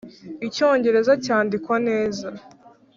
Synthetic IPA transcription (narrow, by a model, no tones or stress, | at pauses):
ico̞ːɲɟe̞ɾe̞zacaːndikwane̞ːza